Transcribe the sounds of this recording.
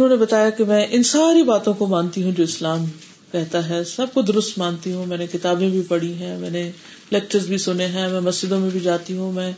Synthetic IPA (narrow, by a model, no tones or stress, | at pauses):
ʊnɦõːnebɐt̪aːjakemɛ̃ːʔɪnsaːɾibaːt̪õkomãːnt̪iɦũd͡ʒoːɪslaːm | kɛɦt̪aɦɛːsɐb̚kod̪ʊɾʊst̪mãːnt̪iɦũmɛ̃ːnekɪt̪aːbẽbʱipɐɽiɦɛ̃ːmɛ̃ːne | lɛːk̚t͡ʃəɾzbʱisʊneɦɛ̃mɛ̃ːmɐsd͡ʒɪd̪õmẽbʱid͡ʒaːt̪iɦũmɛ̃ː